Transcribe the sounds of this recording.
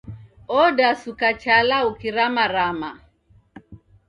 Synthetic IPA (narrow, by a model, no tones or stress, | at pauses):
ɔdasukat͡ʃalaukiɾamaɾama